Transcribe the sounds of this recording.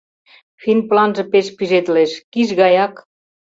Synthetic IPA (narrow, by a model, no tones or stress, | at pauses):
finplɑnʒɤ̆peʃpiʒet̪leʃkiʃɣɑjɑk